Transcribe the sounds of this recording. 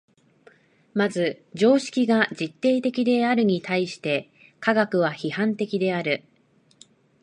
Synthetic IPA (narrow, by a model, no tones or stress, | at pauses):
mazɨd͡ʑo̞ːɕi̥kʲiɡad͡ʑit̪ːe̞ːt̪e̞kʲid̪e̞aɾɯ̟ɲ̟it̪aiɕi̥t̪e̞ | kaɡakɯ̟β̞açihãnt̪e̞kʲid̪e̞aɾɯ̟